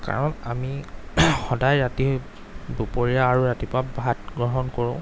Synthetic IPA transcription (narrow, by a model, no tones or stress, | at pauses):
ka̰ɹɔnamixɔdajɹati | bupoɹijaːɹuɹatipabʱatɡɹɔɦɔnkoɹʊ̃